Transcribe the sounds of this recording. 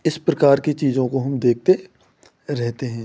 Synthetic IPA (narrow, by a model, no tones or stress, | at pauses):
ɪspɾɐkaːɾkit͡ʃiːzõkoɦɐmd̪eːk̚ʰt̪e | ɾɛɦt̪eɦɛ̃ː